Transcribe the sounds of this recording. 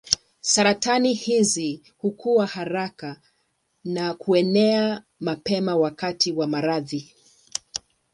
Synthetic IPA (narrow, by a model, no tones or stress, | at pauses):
saɾatanihizi | hukuwahaɾaka | nakuɛnɛa | mapɛmawakatiwamaɾaði